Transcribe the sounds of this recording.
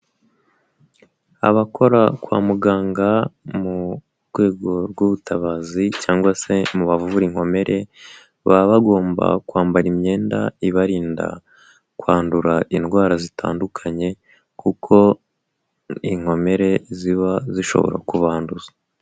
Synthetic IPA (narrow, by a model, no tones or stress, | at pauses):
a̰βakʰo̞ɾakwa̰ːmuɡaːŋɡamu | ɾɡwe̞ːɡo̞ɾɡuβutʰaβazicaːŋɡwase̞muβavuuɾiŋ̥ho̞me̞ɾʔe̞ | βaβaɡo̞ːmba̰kwaːmbaɾimɲe̞ːnda̰iβaɾiːnda̰ | kwaːnduɾaʔinɡwaːɾazitʰa̰ːndukʰaɲe̞ | kukʰo̞ | iŋ̥ho̞me̞ɾe̞ziβaziʃo̞̰βo̰ɾa̰kuβaːnduza